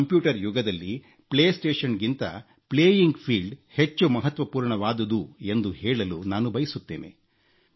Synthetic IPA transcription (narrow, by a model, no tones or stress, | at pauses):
ɐmpjuːʈɐɾjuɡɐd̪ɐlːi | pɭeːsʈeːʂɐnɡint̪ɐ̰ | pɭeːjiŋɡpʰiːlɖhet͡ʃːumɐɦɐt̪ʋɐpuːɾɳɐʋaːd̪ɐd̪ue̞nd̪uhɛːɭɐlunaːnubɐjisut̪ːeːnḛ